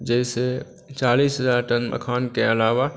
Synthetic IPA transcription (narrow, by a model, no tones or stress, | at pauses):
d͡ʒɛːse | t͡ʃaːliːsɦəzaːɾʈənmə̰kʰaːnkeəlaːʋa